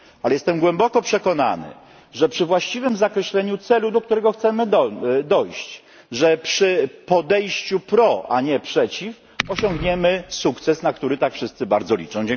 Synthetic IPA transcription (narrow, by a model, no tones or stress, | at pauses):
alɛjɛst̪ɛmɡwɛmbɔkɔpʂɛkɔna̰nɘ̰ | ʐɛpʂɘvwaɕt͡ɕivɘmzakɾɛɕlɛɲut̪sɛlud̪ɔk̚t̪uɾɛɡɔxt̪sɛmɘd̪ɔjɕt͡ɕ | ʐɛpʂɘpɔd̪ɛjɕt͡ɕupɾɔaɲɛpʂɛt͡ɕif | ɔɕɔŋɡɲɛmɘsukt̪sɛsnakt̪uɾɘt̪akfʂɘst̪sɘbaɾd̪zɔlʲḭt͡ʂɔ̃w̃d͡ʑɛŋ